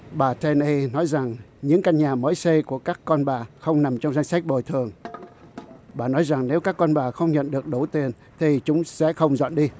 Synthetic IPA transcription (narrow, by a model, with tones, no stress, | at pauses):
ɓaː˨˩t̪ʰɛ˧nʔi˧nɔ˨˦jza˨˩ŋɲɨ̰˧˥ŋka˧jŋɲaː˨˩məː˨˦jse˧ku˧˩əkaː˦˥kːɔ˧nɓaː˨˩xə˧wŋ͡mna˨˩mt͡ɕɔ˧wŋ͡mza˧jŋ̟sa˦˥jk̚ɓo˨˩jt̪ʰɨ˨˩əŋ | ɓaː˨˩nɔ˨˦jza˨˩ŋne˨˦wkaː˦˥kːɔ˧nɓaː˨˩xə˧wŋ͡mɲə̰˧˨nɗɨ˨˩ək̚ɗo˧˩wt̪i˨˩ən | t̪ʰi˨˩t͡ɕʊ˨˦ŋ͡msɛ̰˧˥xə˧wŋ͡mzə̰˧˨nɗi˧